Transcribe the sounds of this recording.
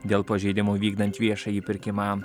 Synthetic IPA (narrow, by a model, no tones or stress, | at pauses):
d̪ʲeːlˠpɐʒʲɛɪd̪ʲɪmoːʋʲiːɡd̪ɐnʲt̪ʲʋʲiɛʃɑiːpʲɪɾʲkʲɪmɑː